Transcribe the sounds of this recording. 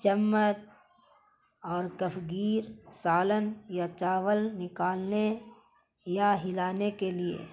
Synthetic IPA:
t͡ʃəmːət̪̚ | ɔːɾkəfɡiːɾsaːlənjat͡ʃaːʋəlnɪkaːlne | jaɦɪlaːnekeliḛː

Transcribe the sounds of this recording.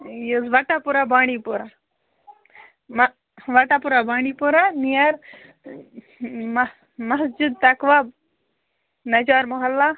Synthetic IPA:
jezʋaʈapuɾabaːɽ̃ipuɾa | m | ʋaʈapuɾabaːɽ̃ipuɾanijɐɾ | m | mɐɦsd͡ʒud̪̚t̪ɐkʋab̚ | nɐd͡ʒaːɾmɔɦɐlːa

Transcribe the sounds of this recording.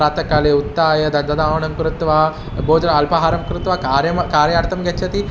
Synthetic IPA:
ɾaːt̪ɐkaːleːut̪ːaːjɐd̪ɐd̪ɐd̪aːʋɐɳɐmkɾut̪ʋaː | boːd͡ʒɐnɐɐlpɐɦaːɾɐmkɾut̪ʋakaːɾjɐmkaːɾjaːɾt̪ɐmɡɐt͡ʃʰːɐt̪i

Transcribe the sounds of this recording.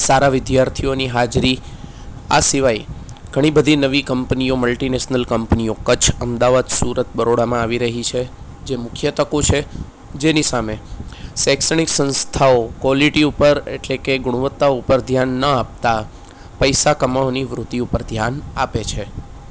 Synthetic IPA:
saɾaʋɪd̪jaɾt̪ʰijoniɦad͡ʒɾi | a̰siʋaj | ɡ̥ʱəɽ̃ibəd̪ʱinəʋikəmpnijoməlʈinesnəlkəmpnijokət͡ʃʰəmd̪aʋad̪suɾət̪̚bəɾoɽamãaʋiɾəɦit͡ʃʰe | d͡ʒemʊkʰjət̪əkot͡ʃʰe | d͡ʒenisamesɛksəɳ̃iksə̃nst̪ʰaokʋɔliʈiupəɾḛʈlekeɡʊɽ̃uʋət̪ːaupəɾd̪ʱjanːəap̚t̪a | pəjsakəmaoniʋɾut̪iupəɾd̪ʱjana̰pet͡ʃʰe

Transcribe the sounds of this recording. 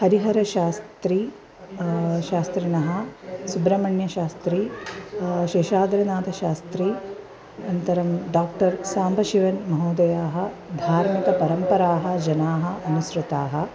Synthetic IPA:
hɐɾiɦɐɾɐʃaːst̪ɾi | ʃaːst̪ɾinɐɦɐ̆subɾɐmɐɳjɐʃaːst̪ɾi | ʃeːʃaːd̪ɾɐnaːt̪ɐʃaːst̪ɾi | ɐnt̪ɐɾɐmɖaːk̚ʈɐɾsaːmbʱɐʃiʋɐnmɐɦuːd̪ɐjaːɦɐ̆ | d̪ʱaːɾmikɐpɐɾɐmpɐɾaːɦɐ̆d͡ʒɐnaːɦɐʔɐnusɾut̪aːɦɐ̆

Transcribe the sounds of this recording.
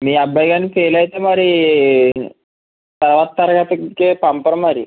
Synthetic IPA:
miːɐbːɐjɡaːnːipeːlɐjt̪emɐɾi | t̪ɐɾʋaːt̪ɐt̪ɐɾɐɡɐt̪ɐkeːpɐmpɐɾɐmːɐɾi

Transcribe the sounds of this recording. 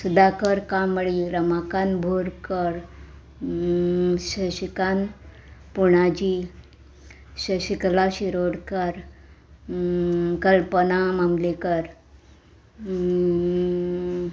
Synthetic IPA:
sud̪akəɾkãməɭiɡɾəmakanbʱoɾkəɾ | ɕəɕikan | puɽ̃ad͡ʑi | ɕəɕiklaɕiɾoɽkəɾ | kəlpənaməmlekəɾ

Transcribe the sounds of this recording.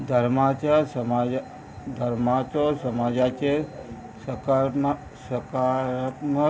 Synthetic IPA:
d̪ʱəɾmat͡ʃaɾsəma | d̪ʱəɾmat͡ʃosəmad͡ʒat͡ʃe | səkam | səkaɾmə

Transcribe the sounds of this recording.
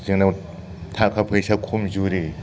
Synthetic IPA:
zɯŋnaw | tʰakʰapʰɯjsakʰumzuɾi

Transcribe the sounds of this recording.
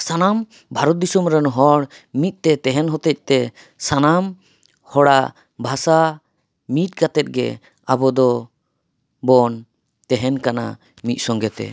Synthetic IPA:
sanam | bʱaɾɔt̪̚d̪isumɾɛnɦɔɽmit̪̚ˀt̪ɛt̪ɛɦɛnɦɔt̪ɛc̚t̪ɛ | sanam | hɔɽaʔ | bʱasa | mit̪̚ˀkat̪ɛt̪̚ɡɛ̰ | abɔd̪ɔ | bɔn | t̪ɛɦɛnkana̰ | mit̪̚ˀsɔŋɡɛt̪ɛ̰

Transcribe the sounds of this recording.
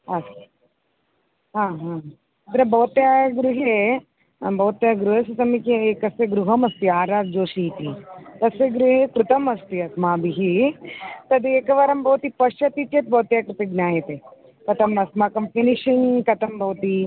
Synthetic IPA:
ɐs | ɦãːɦãː | ɐt̪ɾɐbɐʋt̪jaːɡɾuɦe | bɐʋt̪jaːɡɾuɦɐsisɐmikeeːkɐsjɐɡɾuɦɐmɐst̪iaːɾaːd̪̚d͡ʒoːʃit̪it̪ɐsjɐɡɾuɦekɾut̪ɐmɐst̪iɐsmaːbiɦi | t̪ɐd̪ieːkɐʋaɾɐmbʱɐʋt̪ipɐʃɐt̪it̪jɐt̪̚bʱɐʋt̪jaːkɾut̪ɐɡnʲaːjɐt̪eː | kɐt̪ɐmɐsmaːkɐmfiniʂinkɐt̪ɐmbʱɐʋt̪i

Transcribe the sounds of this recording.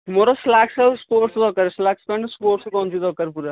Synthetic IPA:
moːɾaslaːksaspoːɾʈsd̪ɔːkɐɾslaːkskɐ̃ɳspoːɾʈskɔmt͡ʃʰid̪ɔːkəɾpuːɾa

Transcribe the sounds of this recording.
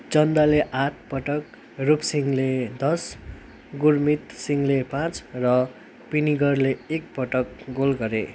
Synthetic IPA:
d͡zʌnd̪aleʔaʈ̚ʰpʌʈʌk | rupsiŋled̪ʌs | ɡurmit̪siŋlepãt͡srʌ | piniɡʌrleːk̚pʌʈʌkɡolɡʌɾḛ

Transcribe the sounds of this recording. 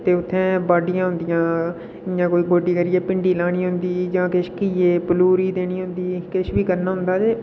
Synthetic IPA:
t̪eːʊt̪ʰːẽːbaːɖɪjãːɦʊ̃nd̪ɪjãː | ɪjãːkoːiːɡoːɖiːkəɾɪɛːpɪɳɖiːlaːɽ̃iːɦʊ̃nd̪iːd͡ʒãːkɪʃkieːpəluːɾiːd̪eːɽ̃iːɦʊ̃nd̪iːkɪʃbiːkəɾnaːɦʊ̃nd̪aːt̪eː

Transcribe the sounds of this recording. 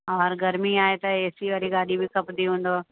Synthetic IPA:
ɔːɾɡɐɾmiaːet̪ɐeːsiʋɐːɾiɡaːɗibʱikɐpd̪iɦũːnd̪oː

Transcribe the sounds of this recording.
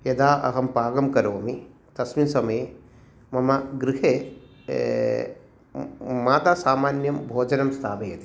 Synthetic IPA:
jɐd̪aːʔɐ̰ɦɐmpaːɡɐmkɐɾoːmi | t̪ɐsminsɐmɐe | mɐmɐɡɾiɦeː | maːt̪aːsaːmaːnjɐmbʱoːd͡ʒɐnɐmst̪ʰaːʋɐjɐt̪i̥

